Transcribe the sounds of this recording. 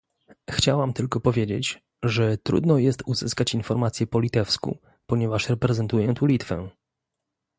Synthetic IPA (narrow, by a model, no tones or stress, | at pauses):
xt͡ɕawamt̪ɘlkɔpɔvʲjed͡ʑet͡ɕ | ʐɛt̪ɾṵd̪nɔjɛst̪uzɘskat͡ɕinfɔɾmat̪sʲjɛpɔlʲit̪ɛfskṵ | pɔɲɛvaʂɾɛpɾɛzɛnt̪ujɛt̪ulʲit̪fɛ̰